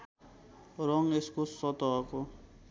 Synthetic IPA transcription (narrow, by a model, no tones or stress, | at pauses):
rɔŋeskʊssɔt̪ɔːkɔ